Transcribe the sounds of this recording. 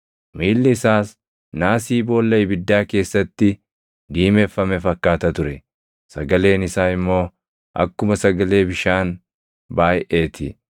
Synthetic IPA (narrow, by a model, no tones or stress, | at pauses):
miːlːɪɪsaːs | naːsiːbo̞ːlːɐʔɪbɪd̪ːaːke̞ːsːɐt̪ːɪ | d̪iːme̞ːfːɐmɛfɐkːaːt̪ɐt̪ʊɾɛ | sɐɡɐle̞ːnɪsaːɪmːo̞ː | ʔɐ̰kːʊmɐsɐɡɐle̞ːbɪʃaːn | baːjʔe̞ːt̪ʰɪ